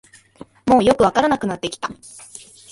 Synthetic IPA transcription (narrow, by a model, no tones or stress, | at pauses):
mo̞ːjo̞kɯ̟βakaɾanakɯ̟nat̪ːe̞kʲi̥t̪a